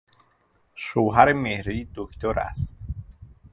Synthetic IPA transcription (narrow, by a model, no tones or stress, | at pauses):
ʃoːɦæɾemehɾiːd̪okʰt̪ʰoɾʔæ̰st̪